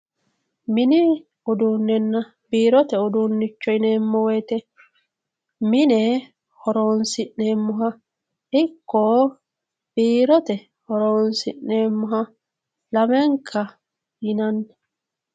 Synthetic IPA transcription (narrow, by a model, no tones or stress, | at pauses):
mɪnɪ | ʊd̪uːnːɛnːɐ | biːɾɔt̪ɛʊd̪uːnːɪt͡ʃːɔɪneːmːɔwɛjt̪ɛ | mɪnɛ | hɔɾoːnsɪʔneːmːʊɦɐ | ɪkːɔ | b̥iːɾɔt̪ɛ | hɔɾoːnsɪ̰ʔneːmːʊɦɐ | lɐmɛŋkʰːɐ | jɪnɐnːɛ